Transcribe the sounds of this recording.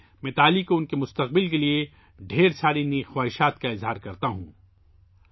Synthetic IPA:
mɛ̃ːt̪aːlikoʊnkemʊst̪ɐq̚bɪlkelie | ɖʱeːɾsʰaːɾinixwaːɦɪʃaːt̪kaɪzɦaːɾkɐɾt̪aɦṵ̃ː

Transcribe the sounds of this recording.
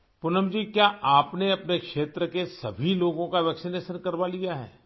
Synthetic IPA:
pʊnəmd͡ʒiːkjaːʔaːpneɐpnekʃeːt̪ɾəkesɐbʱiloːɡõkaʋɛːksɪneːʃənkɐɾbalijaɦɛ̰ː

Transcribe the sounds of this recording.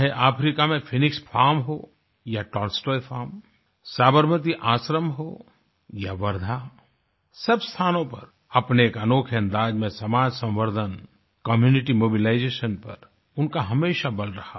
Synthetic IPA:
ɦeʔaːpʰɾiːkamẽfʰɪnɪkspʰaːɾmɦoː | jaʈɔːɾsʈɔːjfʰaːɾm | saːbəɾmət̪iʔaːʃɾəmɦoː | jaʋɐɾd̪ʱa | sɐbst̪ʰaːnõpɐɾ | ɐpneːkənoːkʰɐ̃nd̪aːd͡ʒmẽsɐmaːd͡ʒsɐ̃mʋəɾd̪ʱən | kəmjuːnɪʈimoːbɪlaːɪd͡ʒeːʃənpɐ̰ɾ | ʊnkaɦɐmeːʃabɐlɾɐha

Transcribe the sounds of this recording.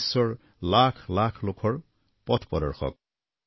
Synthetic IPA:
sːɔɹ | lakʰlakʰlokʰɔɹ | pɔt̪ʰpɔd̪ɔɹxʰɔ̰k̚

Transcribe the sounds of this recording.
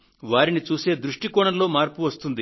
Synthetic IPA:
ʋaːɾinit͡ʃuːse̞ːd̪ɾuʂʈikɔɳɐlo̞ːmaːɾpuʋɐst̪und̪i

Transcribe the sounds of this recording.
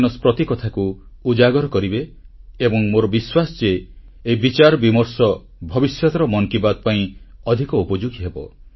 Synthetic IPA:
nɔspɾɔt̪ikɔt̪ʰaku | ud͡ʒaɡɔɾɔkɔɾibeebɔŋmoɾɔbiswasɔd͡ʒe | eibit͡ʃaɾɔbimɔɾsɔ | bʱɔbisjɔt̪ɔɾɔmɔŋkibad̪̚paĩɔd̪ʱikɔupɔd͡ʒuɡiɦebɔ̰

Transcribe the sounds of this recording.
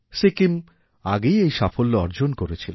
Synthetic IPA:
sikim | a̰ɡejejʃafolːoɔɾd͡ʑonkoɾet͡ɕʰilo

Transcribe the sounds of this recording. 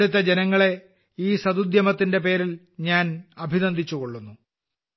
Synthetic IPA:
ɽut̪̬ːɐd͡ʑenɐŋːɐɭe̞ | iːsɐd̪ud̪jɐmɐt̪ːinde̞pe̞ːɾil | ɲaːnɐbʱinɐnd̪ʱit͡ɕːuko̞ɭːunːu

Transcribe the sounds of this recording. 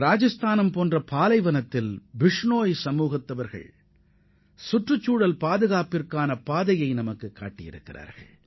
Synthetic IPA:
ɾaːd͡ʒɐst̪ʰaːnɐmpoːndrɐpaːlɐɪʋɐnɐt̪ːɪlʋɪʂɳoːjsɐmːuːɣɪt̪ːɐʋɐɾɣɐ̰ɭ | sʊʈrɯt͡ʃːuːɽɐlpaːðɯɣaːpɪrkaːnɐpaːðɐjɐɪnɐmɐkːɯkːa̰ːʈːɪjɪ̰ɾɯ̰kːɪra̰ːɾɣɐ̰ɭ

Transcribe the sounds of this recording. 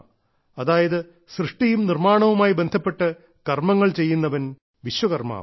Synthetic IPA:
ɐðaːjɐðɨ | srɨʂʈijumnirmaːɳɐʋumaːjibe̞nd̪ʱɐpːe̞ʈːɨ | kɐrmɐŋːɐɭt͡ɕe̞jːunːɐʋɐn | ʋiɕʋɐɣɐrma̰ː

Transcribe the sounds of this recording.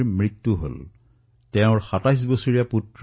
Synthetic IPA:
ɹmɹitːuɦo̰l | tɛʊ̃ɹxatajs̬bosoɹijaputɹ

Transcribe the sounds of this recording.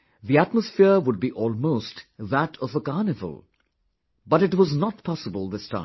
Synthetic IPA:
ðiætməsfɪɹwʊɖ̚biʔɔːlˠmoʊstðæɾʰʌvəkaɹnɪvə̰lˠ | bʌɾɨʈwɔznət̚pʰɑsəbəlˠðɪstʰã̰ɪ̃

